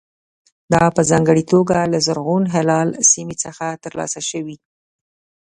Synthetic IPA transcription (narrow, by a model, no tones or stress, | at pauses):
d̪ɑpəzɑŋɡəɽit̪oɡalazəɾɣonɦelɑlsimet͡səxat̪əɾlɑ̰saʃəwi